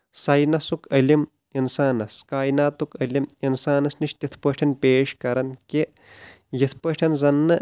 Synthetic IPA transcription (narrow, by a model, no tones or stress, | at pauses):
sɐjnɐsukɐlʲim | insaːnɐskaːjnaːt̪ukɐlʲiminsaːnɐsniʃt̪ʲit̪ʰpəʈʰɐnpeːʃkɐɾɐnke | jit̪ʰpɐʈʰɐnzɐnːɐ